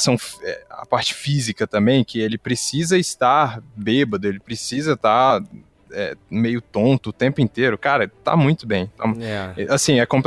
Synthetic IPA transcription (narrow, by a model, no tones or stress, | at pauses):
sɐ̃w̃ɛa̰paɾt͡ʃɪ̥fizikɐt̪ɐ̃mbẽj̃kɪelɪpɾesizɐɪst̪aɾbebɐd̪ʊelɪpɾesizɐt̪aɾ | ɛ̰mejʊt̪õnt̪ʊːt̪ẽmpʊĩnt̪eɾʊkaɾɐt̪a̰mũj̃t̪ʊbẽj̃t̪amũʔasĩɛkõpl